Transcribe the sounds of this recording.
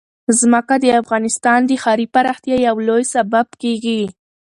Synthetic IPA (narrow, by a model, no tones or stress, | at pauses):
zməkad̪əafɣɑnɪst̪ɑnd̪əxɑɾipaɾɑxt̪jajawlojsababkeɡi